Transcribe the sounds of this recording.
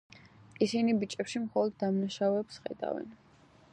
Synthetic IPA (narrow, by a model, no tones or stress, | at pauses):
isinibit͡ʃʼɛpʃimχɔlˠɔd̪̚ːamnaʃavɛpsχɛ̰d̪a̰vɛ̰n